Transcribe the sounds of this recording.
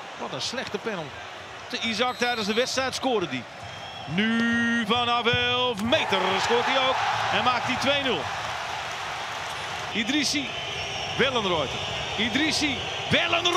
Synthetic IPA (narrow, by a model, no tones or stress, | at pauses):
ʋɔtənslɛχtəpɛnəlˠ | təizɑk̚tɛjdənzdəʋɛtstrɛjtskoːɾədi | nyvɔnɑvɛlfmejtərskoːt̚diowkɛnmaːk̚titʋejnɵlˠ | idɾisi | ʋɛlˠənrɔjtə | idɾisi | ʋɛlˠənr